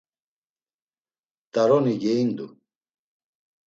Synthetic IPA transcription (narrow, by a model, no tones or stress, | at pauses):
t̪aɾɔniɡɛind̪u